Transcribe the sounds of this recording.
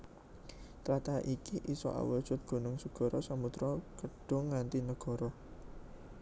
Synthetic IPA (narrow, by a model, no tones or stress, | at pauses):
t̪ɾat̪aʔikiʔisɔ̰ʔa̰wə̥ʒ̥ʊt̪̚ɡ̥o̤nʊŋsəɡ̥ɔ̤ɾɔsamut̪ɾɔkəɖ̥ʊ̤ŋːant̪inəɡ̥ɔ̤ɾɔ